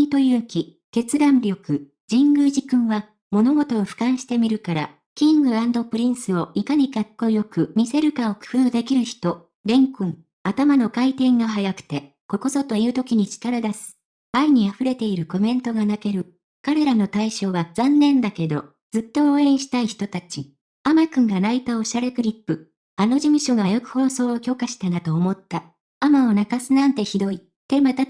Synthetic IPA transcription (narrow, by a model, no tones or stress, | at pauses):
it̪o̞jɯːkʲi | ke̞t͡sɨd̪ãnɾʲo̞kɯ̟ | d͡ʑĩŋɡɯ̟ʑikɯ̟̃ɰ̃βa | mo̞no̞ɡo̞t̪o̞ːɸɯ̟̥kãɰ̃ɕi̥t̪e̞mʲiɾɯ̟kaɾa | kʲĩŋɡɯ̟ãnd̪o̞pɯ̟ɾʲĩñsɨo̞ʔikaɲ̟ikakːo̞jo̞kɯ̟mʲise̞ɾɯ̟kao̞kɯ̟̥hɯ̟ːd̪e̞kʲiɾɯ̟çi̥t̪o̞ | ɾẽ̞ŋkɯ̃ŋ | at̪amano̞kait̪ẽ̞ŋɡaɦajakɯ̟̥t̪e̞ | ko̞ko̞so̞t̪o̞iɯ̟ːt̪o̞kʲiɲ̟it͡ɕi̥kaɾad̪asɨ̥ | aiɲ̟iaɸɯ̟ɾe̞t̪e̞iɾɯ̟ko̞mẽ̞nt̪o̞ɡanake̞ɾɯ̟ | kaɾe̞ɾano̞t̪aiɕo̞ːβaz̥ãnːẽ̞nd̪ake̞d̪o̞̰ | d͡zɨt̪ːo̞ːẽ̞ɰ̃ɕi̥t̪aiçi̥t̪o̞t̪at͡ɕi | amakɯ̟̃ŋɡanait̪ao̞ɕaɾe̞kɯ̟ɾʲipːɯ̟ | ano̞ʑimɯ̟ɕo̞ɡajakɯ̟̥ho̞ːso̞ːokʲo̞kaɕi̥t̪anat̪o̞ːmo̞t̪ːa | amao̞nakasɨnãnt̪e̞çid̪o̞i | t̪e̞mat̪a